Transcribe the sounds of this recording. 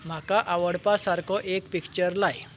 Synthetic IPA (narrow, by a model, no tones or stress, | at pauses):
m̤akaʔaʋəɽpasaɾkʰɔʔekpikt͡ɕəɾlaj